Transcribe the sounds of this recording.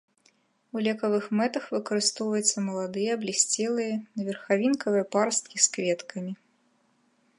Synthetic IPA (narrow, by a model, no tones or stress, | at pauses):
ulʲɛkɐvɨxmɛt̪ɐxvɨkɐɾɨst̪ɔwvɐjɛt̪sːɐmɐlˠad̪ɨjɛːblʲisʲt͡sʲɛlˠɨjɐnɐvʲɛrxavʲinkɐvɨjɛparst̪̚kʲiskvʲɛt̪kʰɐmʲi